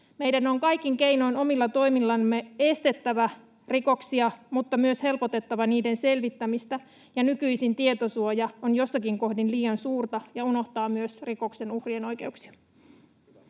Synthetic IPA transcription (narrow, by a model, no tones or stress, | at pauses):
mejdæno̞ŋkɑjkːˑiŋke̞jno̞ino̞milːɑt̪o̞imilːɑmːee̞st̪e̞t̪ːæʋæ | riko̞ksiɑmut̪ːɑmyøshe̞lpot̪e̞t̪ːɑʋɑniːde̞nse̞lʋit̪ːæmist̪æ | jɑnykyisint̪ie̞t̪osuojɑonjo̞sːɑkiŋko̞hdinliːɑnsuːrt̪ɑjɑuno̞ht̪ɑːmyøsriko̞kse̞nuhrieno̞jke̞uksi̥ɑ̥